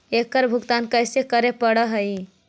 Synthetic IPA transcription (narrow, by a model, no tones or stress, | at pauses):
ekəɾbʱuɡt̪ankəjsekəɾepəɽəɦəj